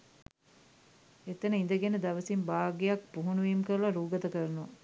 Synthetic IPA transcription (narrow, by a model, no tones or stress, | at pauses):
et̪ənəind̪əɡenəd̪ɐʋəsimbaːɡejak̚puɦunuʋiːmkəɾəlɐɾuːɡət̪əkəɾnuʋɐ